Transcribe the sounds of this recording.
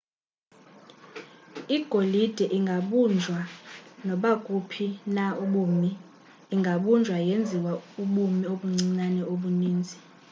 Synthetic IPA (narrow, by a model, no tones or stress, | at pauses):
iɡ̥ʱolid̥ʱɛʔiŋɡʱaɓund͡ʒʱwanɔɓakʼupʰinauɓumiː | ŋɡʱaɓund͡ʒʱwajend͡zʱiwauɓumioɓuŋ͡ǀiŋ͡ǀanɛoɓuniːnd͡zʱi